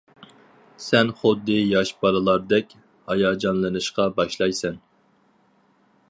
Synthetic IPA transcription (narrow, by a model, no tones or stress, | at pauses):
sɛnχʊd̪ːɨjɑʃbɑlɨlˠɑɾd̪ɛkʲ | hɑjɑːd͡ʒɑnlˠɨnɨʃqɑbɑʃlˠɑjsɛn